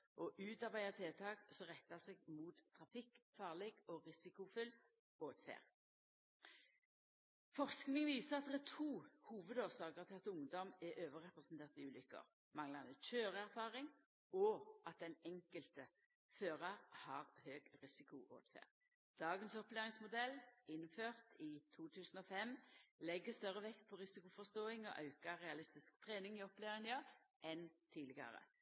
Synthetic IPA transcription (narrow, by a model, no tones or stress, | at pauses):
ʔɔʔʉːt̪ɑʁbæɪət̪ʰeːt̪ʰɑːɡsɔʁɛt̪ːɑseːɡmuːt̪ʰːʁɑfɪkfɑːʁleːɡɔʁɪsɪkʊfʏl | oːt̪fḛːʁ | fɔʁsknɪŋʋiːsəʁɑt̪̚d̪ɛt̪ʰuːhuːʋəd̪oːʁsɑːɡəʁt̪ʰɪlɑt̪ʊŋd̪ɔmɛʔøːʋəʁɛpʁɛsn̩t̪ʰeːʁt̪ɪʉːlʏkːə̰ʁ | mɑŋlɑnəc͡çøːʁəæʁfɑːʁɪŋ | ɔʔɑt̪̚d̪ɛnɛŋkəlt̪ə | føːʁɑʁhɑʁhøːɡʁɪsɪkʊʔo̰ːt̪fæ̰ːʁ | d̪̥ɑːɡənsɔpleːʁɪŋsmʊd̪ɛlɪnføːʁt̪ʰiːt̪ʰuːt̪ʰʉːsn̩ɔfɛmlɛɡːəst̪œʁəʋɛk̪ːpʰɔʁɪsɪkʊfɔst̪oːɪŋɔ̰ʔɑʉkɑɾɛɑlɪst̪ɪskt̪ʰʁeːnɪŋɪɔpleːʁɪnɑʔɛnt̪ʰiːlɪɡɑ̰ʁə̰